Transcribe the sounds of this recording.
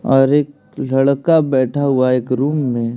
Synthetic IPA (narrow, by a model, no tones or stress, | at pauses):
ɔːɾeːk | lɐɽkabɛːʈʰaɦʊaeːkɾuːmːẽ